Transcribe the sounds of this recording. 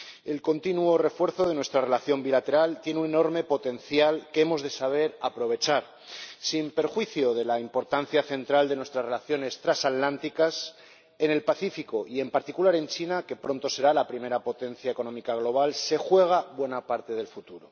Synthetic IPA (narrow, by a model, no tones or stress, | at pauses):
e̞lko̞nt̪inuo̞re̞fwe̞ɾθo̞ðe̞nwe̞st̪ɾare̞laθjo̞mbilat̪e̞ɾalt̪jeneuneno̞ɾme̞po̞t̪ẽ̞nθjalkemo̞zðe̞saβ̞e̞ɾapɾo̞β̞e̞t͡ʃaɾ | simpe̞ɾxwiθjo̞ðe̞laimpo̞ɾt̪an̟θjaθe̞nt̪ɾald̪e̞nwe̞st̪ɾazrelaθjo̞ne̞st̪ɾasat̪lant̪ikas | e̞ne̞lpaθifiko̞ʔie̞mpaɾt̪ikulaɾe̞nt͡ʃinake̞pɾo̞nt̪o̞se̞ɾalapɾime̞ɾapo̞t̪e̞nθjaeko̞nõ̞mikaɣ̞lo̞β̞alse̞xwe̞ɣ̞aβwe̞napaɾt̪e̞ðe̞lfut̪uɾo